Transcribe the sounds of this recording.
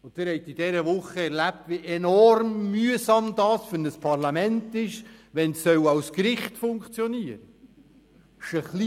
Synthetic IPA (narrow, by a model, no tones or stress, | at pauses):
ʊnttɪɾhɛɪt̪ɪd̥ɛɾəʋʊχːəɛɾlæp̚tʋiʔenɔrmːyəsɑmd̥̪ɑːsfənəspʰɑɾlɑmɛntɪʃʋɛnsːœwɑwskɾɪχtfʊŋkt͡sjɔniəɾə | ʃəχli